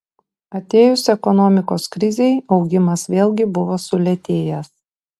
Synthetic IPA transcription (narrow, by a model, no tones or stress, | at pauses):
ɐt̪ʲeːjʊsɛkɔnɔːmʲɪkoːskɾʲɪzʲɛɪɒʊɡʲɪmɐsʋʲeːlʲˠɡʲɪbʊʋoːsʊlʲɛt̪ʲeːjɛs